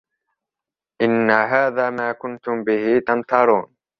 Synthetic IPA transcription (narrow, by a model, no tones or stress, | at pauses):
ʔɪnːaɦaːðaːmaːkʊnt̪ʊmbɪhit̪amt̪ɑɾˤuːn